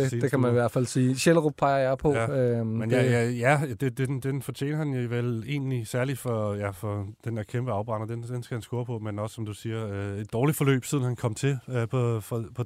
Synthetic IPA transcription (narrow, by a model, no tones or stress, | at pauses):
id̥ekʰæmæniʋæɐ̰̥fæl̰siːɕeləʁob̥̚pʰɑ̈ɪɐjɑɪpʰɒ̽jæømenjæjæjæd̥ed̥end̥enfɒ̽t͡ɕʰḛːnɐhænjoʋele̝̰ːnlisæɐli̥fɒ̽jæfɒ̽d̥enæɐkʰemb̥əɑ̈ʊb̥ʁɑ̈nɐd̥end̥ensɡ̥æhænsɡ̥oɐpʰɒ̽menɒ̽sə̥sɒ̽md̥usiːɐøe̝d̥̚ɒːlid̥fɒ̽lø̰ːb̥sið̞ˠn̩hænkʰɒ̽m̰t͡sʰe̝pʰɒ̽fɒpʰɒ̽